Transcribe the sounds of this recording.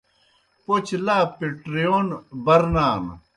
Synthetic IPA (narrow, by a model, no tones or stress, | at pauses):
pot͡ɕʰlaːpeʈɾijoːnbɐɾnaːn